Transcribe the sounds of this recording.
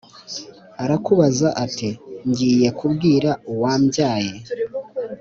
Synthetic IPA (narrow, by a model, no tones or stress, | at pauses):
aɾakuβazaʔatiɲɟiːje̞kubɡiːɾauwaːmɟjaːje